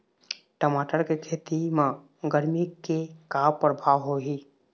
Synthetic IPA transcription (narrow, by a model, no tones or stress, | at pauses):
ʈəmaːʈəɾkekʰeːt̪imã | ɡəɾmikekapɾəbʱaʋɦoɦi